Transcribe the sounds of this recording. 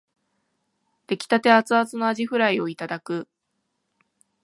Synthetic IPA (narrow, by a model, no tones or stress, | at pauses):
d̪̥e̞kʲi̥t̪at̪e̞at͡sɨat͡sɨno̞aʑiɸɯ̟ɾaio̞it̪ad̪akɯ̟